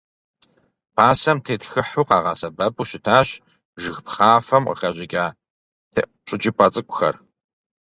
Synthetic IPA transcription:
pʰaːsɐmtʰeːtxɨħuːqɑːʁɑːsɐbɐpʼuɕɪtʰaːɕ | ʒɨxpχaːfɐmqə̰xɐʑʷɪɡʲʼaː | tʰeː | ɕʷʼɪt͡ʃʼipʰʼɐt͡sʼɨkʷʼʊxɐ̰r

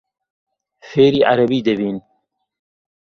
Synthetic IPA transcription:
feːɾiːʔaɾɐbiːd̪ebiːn

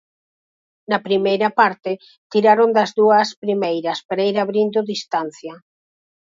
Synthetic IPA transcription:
nɐpɾimejɾɐpaɾt̪ɪ | t̪iɾaɾond̪ɐzðuɐspɾimejɾɐspaɾaiɾaβɾind̪ʊðist̪an̟θjɐ

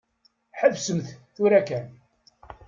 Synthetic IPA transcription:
ħəvsəmθθuɾækæn

